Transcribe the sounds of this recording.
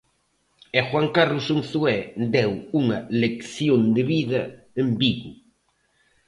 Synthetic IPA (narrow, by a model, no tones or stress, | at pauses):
exwaŋkarlʊsunθuɛd̪ɛwuŋɐlekθjond̪ɪβiðɐ | embiɣʊ